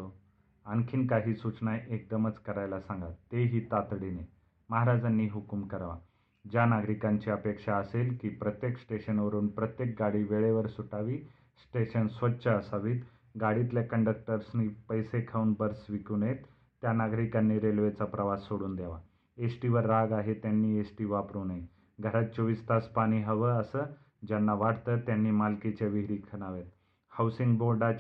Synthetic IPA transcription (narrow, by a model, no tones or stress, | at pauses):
o | aŋkʰiːnkaɦiːsut͡snajʔek̚d̪əmət͡skəɾajlasãŋɡat̪ːeɦiːt̪at̪ɽine | məɦaɾad͡zanːiːɦukumkəɾʋa | d͡ʑjanaɡɾikaɲt͡ɕiːəpekʂaəselkiːpɾət̪jeksʈeɕənʋəɾuːnpɾət̪jek̚ɡaɽiːʋeɭeʋəɾsuʈaʋiː | sʈeɕənsʋətːɕəəsaʋiːt̪ | ɡaɽit̪lekəɳɖək̚ʈəɾsniːpəjsekʰauːnbəɾsʋikuːnjet̪ː | janaɡɾikanːiːɾelʋet͡sapɾəʋasːoɽuːnd̪jaʋa̰ | esʈiʋəɾːaɡaɦet̪janːiːesʈiːʋapɾuːnaɦi | ɡʱəɾat̪̚t͡ɕoʋist̪aspaɽ̃iːɦəʋəəsə | d͡ʑanːaʋaʈt̪ət̪janːiːmalket͡ɕeʋiɦɾiːkʰəñaʋjet̪̚ | hawsiŋɡboɾɖa